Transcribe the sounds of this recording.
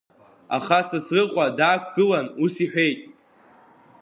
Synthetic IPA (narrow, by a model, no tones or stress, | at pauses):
a̰χasasrɨqʷʼadaːkʷʰɡɨlanusiħᶣe̞jtʼ